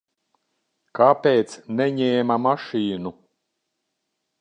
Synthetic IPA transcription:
kapʲeːt̪snɛɲɛːmamaʃiːnu

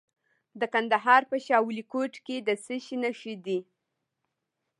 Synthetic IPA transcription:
d̪əkand̪aɦɑɾpəʃɑwulikoʈked̪əsəʃinaʃid̪i

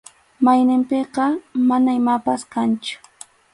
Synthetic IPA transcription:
majnɪmpeqɑmanaɪmapaskant͡ʃʊ̥

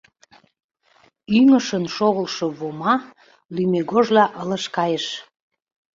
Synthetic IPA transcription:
yməʃənʃoɣəlʃəβomɑ | lymeɣoʒlɑʔələʃkɑjəʃ

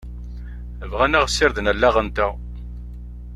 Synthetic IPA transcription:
əvʁænæʁsːɪɾðənælːaʁənt̪æ

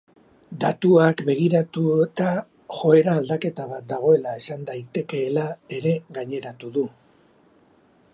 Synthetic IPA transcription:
d̪at̪uakbe̞ɣ̞iɾat̪uet̪a | xo̞e̞ɾaːld̪ake̞t̪aβ̞at̪̚d̪aɣ̞o̞e̞lae̞sand̪ajt̪e̞ke̞ːlae̞ɾe̞ɣaɲe̞ɾat̪uðu

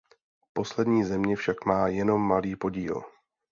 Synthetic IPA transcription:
po̞slɛdɲiːzɛmɲɛfʃakmaːjɛno̞mːaliːpo̞ɟiːl

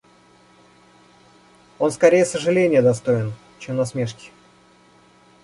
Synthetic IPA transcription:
o̞nskɐɾʲejəsəʐɨlʲenʲɪjəd̪ɐst̪o̞ɪn | t͡ɕemnɐsmʲe̞ʂkʲɪ̥

